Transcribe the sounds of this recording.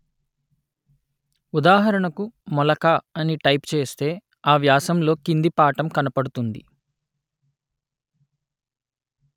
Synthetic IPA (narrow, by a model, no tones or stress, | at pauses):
ud̪aːɦɐɾɐɳɐkumɔlɐkaɐniʈɐjpt͡ʃe̞ːst̪e̞ː | aːʋjaːsɐmlo̞ːkind̪ipaːʈɐmkɐnɐpɐɽut̪und̪ḭ